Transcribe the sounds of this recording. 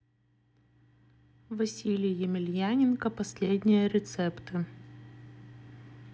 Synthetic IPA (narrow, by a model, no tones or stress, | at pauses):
vɐsʲilʲɪjjɪmʲɪlʲjænʲɪnkəpɐsʲlʲedʲnʲɪjəɾʲɪt̪sɛpt̪ɨ